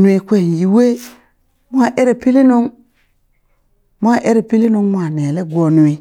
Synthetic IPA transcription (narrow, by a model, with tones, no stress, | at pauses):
nu˨˦e˨kʷe˦˨n˨ji˨we˦ | mʷ˦a˦˨ʔe˦ɾe˨pi˦li˦no˦ŋ | mʷ˦a˦˨ʔe˦ɾe˨pi˦li˦no˦ŋmʷ˦a˨ne˨le˦ɡʷo˨nu˨e˨